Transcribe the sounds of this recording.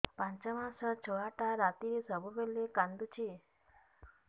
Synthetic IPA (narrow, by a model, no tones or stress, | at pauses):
pãɲt͡ʃəmãsət͡ʃʰɔaʈaɾat̪isəbubelːekãnd̪ut͡ʃʰi